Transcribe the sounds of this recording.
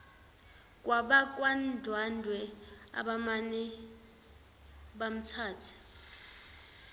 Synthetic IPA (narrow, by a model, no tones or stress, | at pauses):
k̬ʼwaɓak̬ʼwandʱwandʱwɛa̰ɓamanɛ | ɓam̩tʰaːtʰi̥